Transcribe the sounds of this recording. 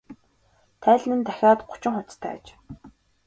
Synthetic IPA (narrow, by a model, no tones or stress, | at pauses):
t̪ʰæːɮʲnɘ̆nt̪æxʲaːt̪ɢʊt͡ɕɪ̆ŋχʊt͡st̪ʰæ̰ːt͡ɕ